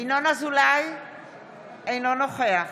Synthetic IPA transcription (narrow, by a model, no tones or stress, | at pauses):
inɔnazulaj | ejnɔnɔxʰɔja